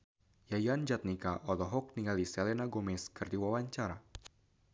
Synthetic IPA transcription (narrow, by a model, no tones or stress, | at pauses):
jajand͡ʒat̪̚nikaʔɔlɔɦɔk̚niŋalisɛlɛnaɡɔmɛskɨrdiwawaɲt͡ʃaɾa